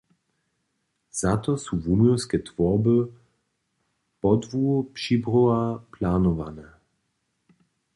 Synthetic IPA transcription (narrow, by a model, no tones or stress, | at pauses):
z̥at̪ɔsuvumɔwskɛt̪vɔʁbə | pɔd̪vupʃibʁɔaplaːnɔvanɛ